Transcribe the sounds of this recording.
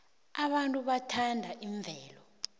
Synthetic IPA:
aɓantʼuɓatʰandʱaʔiɱb̪vʱɛːlɔ

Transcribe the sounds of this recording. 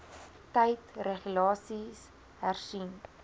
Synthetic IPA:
tɛjtreχlɑːsis | hærsin

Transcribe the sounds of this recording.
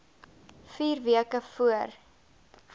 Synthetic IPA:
fiːrviəkəfuər

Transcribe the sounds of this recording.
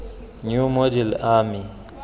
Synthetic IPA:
ɲumodɛlami

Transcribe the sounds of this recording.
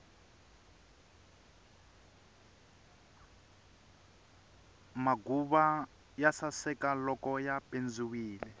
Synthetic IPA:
maɡuβa | jasasɛkalɔkɔjapend͡ziwiːlɛ

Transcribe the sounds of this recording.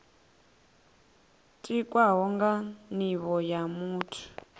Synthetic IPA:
tʼikʼwaɦɔŋɡaniβɔjamuːtʰu̥

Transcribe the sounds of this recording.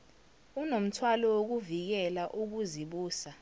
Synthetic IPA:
unom̩tʰwalɔwok̬uvik̬ɛlaʔuk̬uziɓuːsa

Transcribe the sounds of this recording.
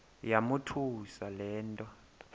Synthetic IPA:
jamutʰusalɛːntʼɔ

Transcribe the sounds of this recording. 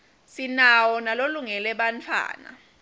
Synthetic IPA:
sinawɔnaloluŋɛlɛɓant͡fʰwa̰ːna̰

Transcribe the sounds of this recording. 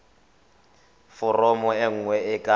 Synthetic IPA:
fʊrɔmɔeŋ̩ŋwɛɪkʼa

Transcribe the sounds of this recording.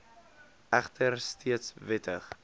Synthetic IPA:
æχtʰərstʰiətsvɪtəχ

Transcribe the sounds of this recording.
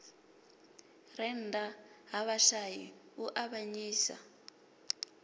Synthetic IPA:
rɛndaɦaβaʃaɦiuʔaβaɲiːsa̰

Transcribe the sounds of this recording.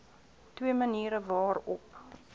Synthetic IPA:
twiəməniːɾəvɑːrɔp

